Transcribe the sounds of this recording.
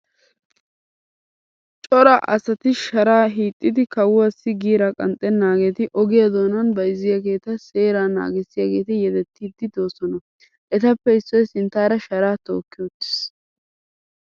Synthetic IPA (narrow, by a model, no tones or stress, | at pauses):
t͡ʃʼɔɾɐʔɐ̰sɐt̪ɪʃɐɾaːɦiːt̪ʼːɪd̪ɪkɐwʊwɐsɪɡiːɾɐkʼɐ̰nt̪ʼːɛnːaːɡeːt̪ɪʔɔɡɪjɐd̪o̞ːnɐnbɐjzːɪjaɡe̞ːt̪ɐse̞ːɾaːna̰ːɡɛsːɪjaɡe̞ːt̪ɪjɛd̪ɛt̪ːiːd̪ːɪd̪o̞ːsɔnɐ | ʔɛt̪ɐpːɛɪsːɔjsɪnt̪aːɾɐʃɐɾaːt̪o̞̰ːkːɪjot̪ːɪ̥s